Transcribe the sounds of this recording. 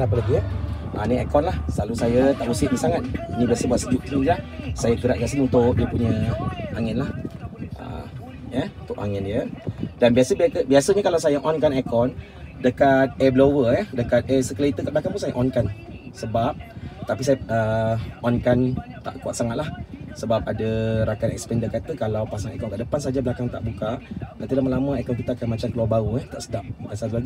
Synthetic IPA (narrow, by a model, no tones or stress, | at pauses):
apələɡiə | ʔə̰niɛ̰kɔnlahslalusajət̪aʔusɪʔ̚nisaŋat̪̚nĩbiasəbuat̪səd͡ʒuʔ̚t̪ənid͡ʒlahsajəkəɾa̰ʔ̚ɡiaʔs̬ənunt̪ʊk̚diəpuɲəʔaŋɪnlahʔə̰ | jɛunt̪ʊʔa̰ŋɪndiədanbiasəbkəbiasəɲakalawsajəʔɔnkanɛkɔn | dəkat̪̚ɛblowəjɛdəkat̪̚ɛsəkəlait̪əkat̪blakaŋpunsajaʔɔnkansəbap̚t̪apis̬ajaəɔnkant̪a̰ʔkuat̪saŋat̪̚lahsəbap̚adəɾakanɛ̰k̚sə̥pɛndəkat̪əkalawpasaŋɛ̰kɔnkəʔdəpansad͡ʒabəlakaŋt̪a̰ʔbukat̪ãnt̪ilamalamə̃ɛkɔnkit̪aakanmat͡ʃamkəluabaɾuɛht̪aʔsə̥dap̚kasat̪laɡi